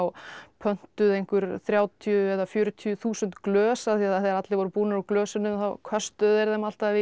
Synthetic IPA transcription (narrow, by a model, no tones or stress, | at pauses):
wpʰœn̥t̪ʏðejŋ̥kʏɾ̥θɾjaːwt̪ʰiʏɛðafjʏːɾʏt̪ʰiʏθuːsʏnt̪klœːsaθiaðaθɛðɾat̪lɪvɔɾʏpuːnaɾaklœːsɪnʏmθawkʰœst̪œðɛɾðɛmal̥t̪avɪ